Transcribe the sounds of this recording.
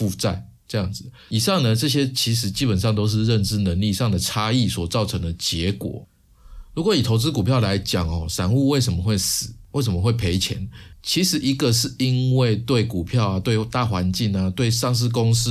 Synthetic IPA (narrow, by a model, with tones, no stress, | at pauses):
fu˥˧t͡sa˥˧˩ɪ | ʈ͡ʂɤ˥˧jɑ˥˩ŋd͡zɹ̩˨˩ | i˨˩ʂɑ˥˩ŋnə˨ʈ͡ʂɤ˥˧ɕ̬jɛ˥t͡ɕʰi˧˥ʂ̬ɻ̩˧˦t͡ɕi˦˥pə˨˩nʂ̬ɑ˥˩ŋt̪o˥ʊʂ̬ɻ̩˥˧ɻə˥˨nʈ͡ʂɻ̩˥nə˧˦ŋli˥˧ʂɑ˥˩ŋd̪ə˩t͡sʰa˥i˥˨swɔ˨˩t͡sɑ˥˩ʊʈ͡ʂʰɤ˧˦˥ŋd̪ə˨t͡ɕjɛ˧˥kwɔ̰˨˩˦ | ɻu˧˥kwɔ˧˦i˨˩t̪ʰo˧˥ʊt͡sɹ̩˦˥ku˨˩pʰjɑ˥˩ʊla˧˦ɪt͡ɕjɑ˨˩ŋxɔ˨˩sa˨˩nu˥˧we˥˩ɪʂə˧˥mə˨xwe˥˩ɪsɹ̩˨˩˦we˥˩ɪs̬ə˧˦mə˩˧xwe˥˩ɪpʰe˧˥ɪt͡ɕʰjɛ̰˧˦nt͡ɕʰi˧˥ʂɻ̩˧˥i˧˥ɡə˨ʂɻ̩˥˩i˦˥nwe˥˩ɪt̪we˥˩ɪku˨˩pʰjɑ˥˨ʊa˨˩t̪we˥˩ɪt̪a˥˨xwa˧˦nt͡ɕi˥˩ŋa˨t̪we˥˧ɪʂɑ˥˧ŋʂ̬ɻ̩˥˩ko˦˥ŋs̩˦˥